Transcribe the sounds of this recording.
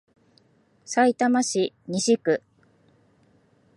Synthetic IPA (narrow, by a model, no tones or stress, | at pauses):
sait̪amaɕi | ɲiɕikɯ̟